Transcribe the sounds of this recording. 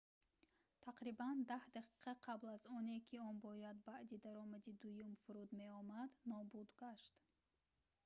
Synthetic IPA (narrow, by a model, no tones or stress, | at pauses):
t̪ʰaqɾiband̪ahd̪aqʰi̥qʰaqʰablazɔnekʲʰiɔnbɔjad̪baʔd̪id̪aɾɔmad̪id̪ujumfuɾud̪me̞ɔmad̪nɔbud̪ɡaʃt̪